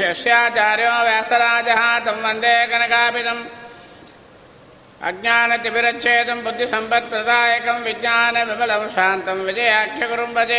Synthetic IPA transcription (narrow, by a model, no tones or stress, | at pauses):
ɐʂjaːt͡ʃaːɾjoːʋjaːsɐɾaːd͡ʒɐɦɐt̪ɐmʋɐnd̪eːɐkɐnɐkaːpit̪ɐm | ɐ̰ɡ̚ɲaːnɐt̪iʋiɾɐtʃeːt̪ɐmbud̪ʱːisɐmpɐɾt̪ɾɐd̪aːjɐkɐmʋiɡɲaːnɐʋibɐlɐmʃaːnt̪ɐmʋid͡ʒɐjaːkʰjɐkuɾumpɐd͡ʒe